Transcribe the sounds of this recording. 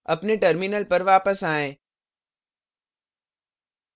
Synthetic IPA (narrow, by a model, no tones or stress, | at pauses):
ɐ̰pneʈəɾminəlpɐɾʋaːpəsaːẽː